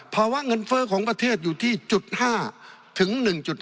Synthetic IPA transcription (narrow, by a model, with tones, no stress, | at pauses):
pʰɔː˧waː˧˥˩ŋɤ˧nfɤː˧˥kʰɔː˩˦ŋpɾa˧t̪ʰeː˥˩t̪̚juː˨˩t̪ʰiː˥˩t͡ɕu˨˩t̪̚haː˥˩ | t̪ʰɯ˩˦ŋnɯ˨˩ŋt͡ɕu˨˩t̪̚